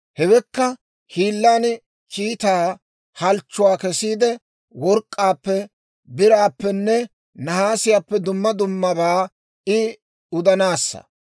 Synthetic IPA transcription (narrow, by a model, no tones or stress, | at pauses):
hɛwɛkːɐ | hiːlːaːn | kiːt̪aː | hɐlt͡ʃːʊwaːkɛsiːd̪ɛ | wɔɾkʼːaːpːɛ | bɪɾaːpːɛnːɛ | nɐhaːsɪjaːpːɛd̪ʊmːɐd̪ʊmːɐbaː | ɪ | ʊd̪ɐnaːsːɐ̰